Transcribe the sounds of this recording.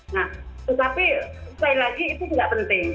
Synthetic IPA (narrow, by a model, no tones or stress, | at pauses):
nat̪ət̪apikailaɡiːt̪ud͡ʒuɡaʔpənt̪ɪŋ